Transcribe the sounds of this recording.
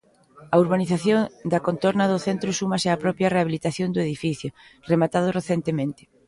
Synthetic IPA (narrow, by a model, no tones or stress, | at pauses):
ɐuɾβaniθaθjoŋd̪ɐkont̪oɾnɐðʊθent̪ɾʊsumɐsɪapɾɔpjɐreaβilit̪aθjond̪ʊeðifiθjʊremat̪að̞ʊreθent̪emẽnt̪ɪ̥